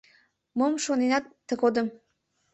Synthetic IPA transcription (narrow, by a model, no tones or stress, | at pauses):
məmʃonenɑt̪ːə̆ɣod̪əm